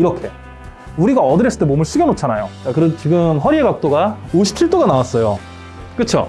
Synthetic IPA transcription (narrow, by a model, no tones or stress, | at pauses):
iɾʌkʰe̞ | uɾiɡaʌdɯɾes͈ɯɭt͈emomɯɭs͈iɡʌnot͡ɕʰanajot͡ɕakɯɾet͡ɕiɡɯmɸʌɾieɡak̚t͈oɡaoɕʰi̥p̚t͡ɕʰiɭt͈oɡanawas͈ʌjo̰ | k͈ɯt͡ɕʰo̰